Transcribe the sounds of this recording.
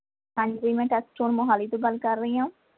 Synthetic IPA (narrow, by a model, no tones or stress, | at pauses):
hãːɲd͡ʒziːmɛ̃ːʈɛsʈoːnmoɦaːliːt̪ũːɡəlkəɾːəiːɦãː